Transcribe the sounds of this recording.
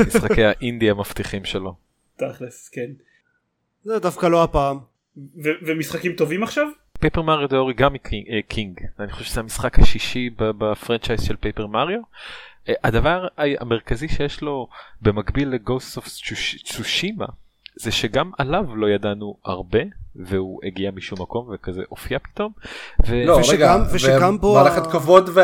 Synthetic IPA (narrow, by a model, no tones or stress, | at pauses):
misχakejhaʔind̪iamaft̪iχimʃelo̞ | t̪aχlesken | zedafkaloapaːm | vevemisχakimt̪o̞vimaχʃav | pejpemaʁjod̪eoʁiɡamikʰiŋɡaniχoʃevʃezeamisχakhaʃiʃibabafʁant͡ʃajz̥ʃelpejpeʁmaʁjo̞ | ʔad̪avaʁʁaa̰meʁkaziʃejeʃlo̞bemaɡbilːeɡosoft͡ʃut͡suʃima̰ | z̥eʃeɡamalavlo̞jadanua̰ʁbe̞veuʔeɡiamiʃumːako̞mvekazḛʔofijapi̥t̪o̞mveloɡamveʃveɡambomaleχet̪kavo̞dve